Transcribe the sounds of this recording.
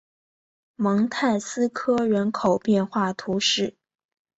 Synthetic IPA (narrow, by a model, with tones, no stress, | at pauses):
mɤ˧˥ŋt̪ʰa˥˩ɪsɹ̩˥kʰɤ˥ɥə˧˥nkʰo˨˩ʊpjɛ˥˧nxwa˥˩t̪ʰu˧˥ʂɻ̩˥˩